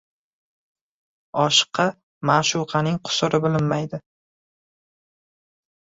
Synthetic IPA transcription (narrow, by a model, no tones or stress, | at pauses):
ɒʃɨ̥qʰːɑ | maʃʊwqʰɑnɪŋqʰʊ̥sʊɾɪbɪlɪnmajd̪ɪ